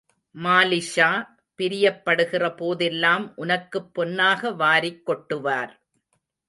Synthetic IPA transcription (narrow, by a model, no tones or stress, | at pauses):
maːlɪʂaː | pɪɾɪjɐpːɐɽɯɣɪrɐpoːðɛlːaːmʔʊnɐkːɯpːɔnːaːɣɐʋaːɾɪkːɔʈːɯʋaːɾ